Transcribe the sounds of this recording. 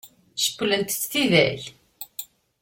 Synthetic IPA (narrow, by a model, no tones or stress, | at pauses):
ʃə̥kːlənt̪t͡sθiðæ̰l